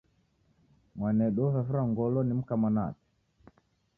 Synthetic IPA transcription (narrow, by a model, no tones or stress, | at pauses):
mwanɛɗɔvɛfuɾaŋɡɔlɔnim̩kamana̰tɛ̥